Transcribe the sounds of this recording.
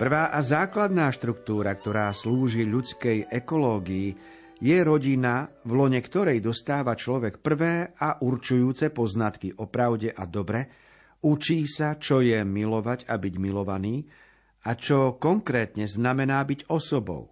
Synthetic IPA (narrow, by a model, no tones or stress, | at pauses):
pr̩ʋaːʔazaːklad̪naːʃt̪ɾukt̪uːɾakt̪ɔɾaːsluːʒiʎut͡skɛjʔɛkɔlɔːɡii | jɛɾɔɟinavlɔɲɛkt̪ɔɾɛjd̪ɔst̪aːʋat͡ʃlɔʋɛkpr̩ʋɛːaʔuɾt͡ʃujuːt͡sɛpɔznat̪kiʔɔpɾaʊɟɛʔad̪ɔbɾɛ | ut͡ʃiːsat͡ʃɔjɛmilɔʋaɟabiɟmilɔʋaniː | at͡ʃɔkɔŋkɾɛːt̪ɲɛznamɛnaːbiɟɔsɔbɔ̰ʊ